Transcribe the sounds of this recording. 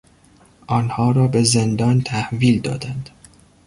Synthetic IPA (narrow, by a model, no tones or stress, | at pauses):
ʔɒːnhɒːɾɒːbe̞zend̪ɒːnt̪ʰæhviːld̪ɒ̰ːd̪ænd̪̥